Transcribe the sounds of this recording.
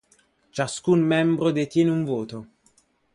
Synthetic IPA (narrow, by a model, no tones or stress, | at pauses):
t͡ʃaskunmɛmbɾod̪et̪jɛːneuɱvoːt̪o